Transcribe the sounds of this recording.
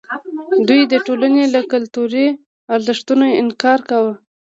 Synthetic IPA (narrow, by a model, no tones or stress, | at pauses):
d̪ujd̪əʈolanelakʊlt̪uɾi | ɑɾzɪʂt̪unoɪnkɑɾkawə